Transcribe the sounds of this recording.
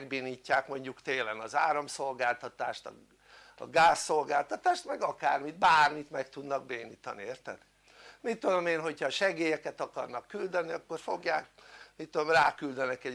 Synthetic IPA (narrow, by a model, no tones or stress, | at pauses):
ɡbeːniːcːaːkmo̞ɲɟukt̪eːlɛnɒzaːɾɒmso̞lɡaːlt̪ɒt̪aːʃt̪ɒ̰ | ɒ̰ɡaːsːo̞lɡaːlt̪ɒt̪aːʃt̪mɛɡɒkaːrmid̪baːrmit̪mɛkt̪ud̪nɒɡ̚beːniːt̪ɒnieːrt̪ɛ̰d̪ | mit̪ːud̪o̞meːnɦho̞chɒʃɛɡeːjɛkɛt̪ɒkɒrnɒkːyld̪ɛniɒkːo̞rfo̞ɡjaːkmit̪ːod̪omraːkyld̪ɛnɛkɛ